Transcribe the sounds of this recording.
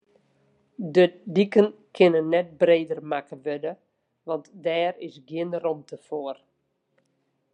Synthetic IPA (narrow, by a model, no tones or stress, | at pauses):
dədikənkʰɪnənːɛt̚breːdərmakəʋødə | ʋɑntdɛːrɪsɡjɪnərɔmtəfoər